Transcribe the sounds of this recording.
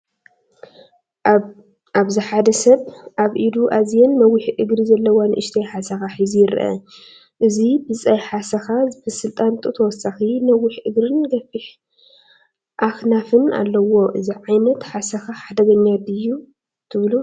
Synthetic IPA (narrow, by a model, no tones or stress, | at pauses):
ʔaβziħad̪ɐsɐβʔaβʔid̪uʔazijɐnːɐwiħʔɨɡɾizɐlːɐwanɨʔɨʃt̪ʰajħasɐxaħizijɪɾʔɐ̰ | ʔɨzibɨt͡sʼajħasɐxabɨsɨlt̪ʼant̪ʼut̪ʰɐwɔsɐxinɐwːɪħʔɨɡɾɨnɡɐfiħ | ʔaxnafɨna̰lːɐwo̞ʔɨziʕajnɐt̪ħasɐxaħad̪ɐɡɐɲːat̪ɨjːu | t̪ʰɨβlu